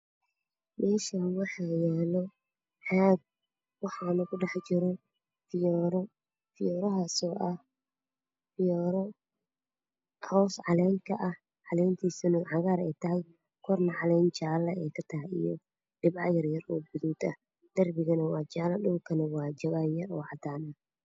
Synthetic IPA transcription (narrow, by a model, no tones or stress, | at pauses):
mɛːʃɐwɑħɑjɛːlɔ | ħɑːɡ̚ | wɑħɑːnɐkʊɖɑħt͡ʃɪɾɔ | fɪjɾ | fɪjɔːɾɐɦaːsɔːʔɐh | fɪjɔɾɔ | hɔwsʕɑlɛːŋk̪ʰɐʔɐh | ʕɑlɛːjnt̪ʰiːsɐnʊʕɑɣaːɾɛjt̪ʰɐɦɛj | kʰɔrnɐʕɑlɛjnt͡ʃaːlɐɛːkʰɐt̪ʰɐɦɛjḭjɔ̰ | ɖɪbʕɑjɐrjɐrɔːbʊðuːd̪ɐ̰ | d̪̥ɐrbɪɣɐnɐwɑːt͡ʃaːlɐɗʊlkʰɐnɐwɑːt͡ʃɐβaːnjɐɾɔːʕɑd̪aːnɐ